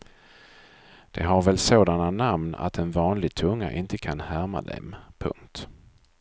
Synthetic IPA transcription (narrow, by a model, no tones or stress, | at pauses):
d̪̥ɛɦaɾvɛlsoːd̪ananamna̰t̪ɛnvɑːnlɪɡ̚t̪ʰɵŋːa̰ʔɪnt̪əkʰanhæɾma̰d̪ɛ̰mpʰɵ̰ŋkt̪